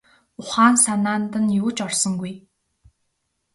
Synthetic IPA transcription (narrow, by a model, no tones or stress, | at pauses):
ʊχaːnsanaːnt̪ə̆njuːt͡ɕɔrsɞ̆ŋɡuj